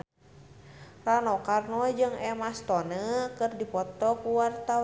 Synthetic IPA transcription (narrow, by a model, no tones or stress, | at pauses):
ranɔkarnɔd͡ʒɨŋɛmast̪ɔnəkɨrdipɔt̪ɔkuwart̪aw